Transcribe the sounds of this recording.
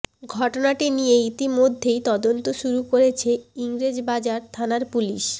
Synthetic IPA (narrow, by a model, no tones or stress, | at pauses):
ɡʱɔʈonaʈinijeit̪imod̪ʱːejt̪ɔd̪ont̪oʃuɾukoɾet͡ɕʰeiŋɾed͡ʑbad͡ʑaɾt̪ʰanaɾpulḭʃ